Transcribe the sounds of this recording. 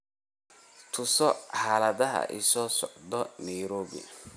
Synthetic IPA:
t̪ʰʊsɔħaːlɐðɐɦɐ̰ʔɪ̰sɔːsɔʕd̪ɔnɐjɾɔːβɪ̰

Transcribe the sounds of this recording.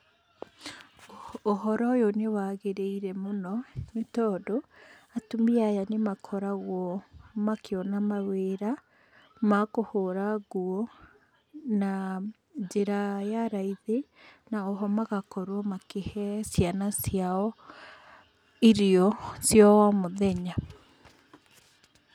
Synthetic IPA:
ɦɔɾɔjonewaɣeɾeiɾɛmonɔnetɔdo | atumiajanemakʰɔɾaɣwɔmakeɔnamaweɾa | makohoɾaɣuɔ | na | d͡ʒeɾajaɾaiðe | naoɦɔmaɣakɔɾwɔmakehɛsjanasjaɔ | iɾiɔsjɔwamoðɛɲa

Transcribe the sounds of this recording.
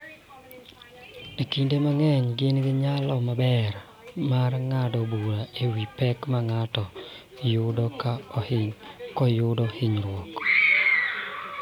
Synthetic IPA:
ikindemaŋɛɲɡɪnɡɪɲalɔmabɛr | marŋadɔbuɾaʔewipɛkmaŋatɔ | jʊdɔkaɔhɪɲkɔjʊdɔhɪɲɾwɔk

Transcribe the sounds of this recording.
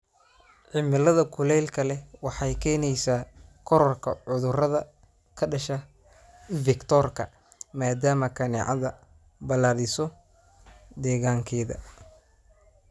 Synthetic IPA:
ʕɪmɪlɐðɐkʰʊlɛlkʰɐlɛwɑħɑjkʰɛːnɛjsaːkʰɔɾɔrkʰɐ̰ʕʊðʊrɐðɐ | kʰɐɖɐʃɐ | vɪkt̪ʰɔrkʰɐ̰ | maːd̪aːmɐkʰɐnɛ̰ʕɑ̰ðɐ | bɐlaːðɪsɔ | d̪ɛːɣaːŋkʰɛːðɐ̰

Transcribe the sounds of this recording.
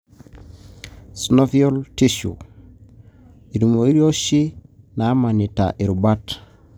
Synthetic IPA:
snofioltiʃṵ | iɾumoiɾioʃi | namanita̰ʔiɾubat

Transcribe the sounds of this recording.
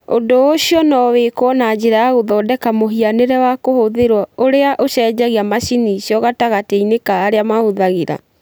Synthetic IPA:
o̰ndooɕiɔnɔwekowɔnad͡ʑeɾaaɣoðɔːdɛkamoɦianeɾɛwakohoðeɾwaoɾeaʔoɕɛːd͡ʑaɣiamaʃiniɕjɔɣataɣateinekaːɾeamahoðaɣeɾa̰

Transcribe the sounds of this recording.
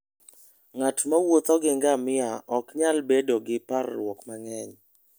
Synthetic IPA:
ŋatmawot̪ɔɡɪŋɡamɪaʔɔkɲalbedoɡɪparlwɔkmaŋɛɲ

